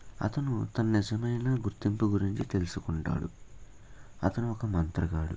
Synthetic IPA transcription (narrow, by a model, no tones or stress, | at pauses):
ɐ̰t̪ɐnut̪ɐnɐnid͡ʒɐmɐjnaːɡuɾt̪impuɡuɾiɲt͡ʃit̪e̞lusukuɳʈa̰ːɽṵ | ɐt̪ɐnuɔkɐmɐnt̪ɾɐɡaːɽṵ